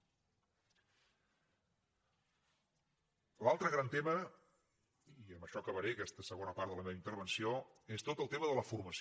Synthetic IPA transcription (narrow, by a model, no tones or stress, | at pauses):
lalˠt̪ɾəɣɾant̪emə | iəmbəʃɔkəβəɾeəkɛst̪əsəɣonəpaɾt̪ðələmeβəint̪əɾβ̞ənsioest̪ot̪əlˠt̪eməðələfurməs